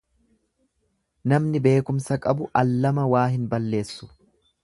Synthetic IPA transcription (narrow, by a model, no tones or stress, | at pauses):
nɐmnɪbe̞ːkʊmsɐkʼɐbʊʔɐlːɐmɐwaːɦɪnbɐlːe̞ːsːʊ̥